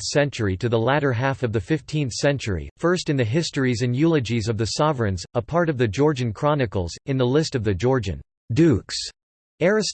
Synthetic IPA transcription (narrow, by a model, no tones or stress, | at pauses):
sɛ̃nt͡ʃə˞iɾɨðəlæɾə˞ɦæθʌvðɨfɪftʰĩnθsɛ̃nt͡ʃə˞ḭfɜ˞stɨ̃nðɨɦɪstə˞izɨ̃njʉlˠɨd͡ʒizʌvðɨsɑvɹɨ̃nzəpʰɑɹɾʌvðɨd͡ʒɔɹd͡ʒɨ̃n̩kʰɹ̥ɑnɨkl̩ˠzɨ̃nðəlɪstʌvðɨd͡ʒɔɹd͡ʒɨ̰̃n | dʉks | ɛɹɨs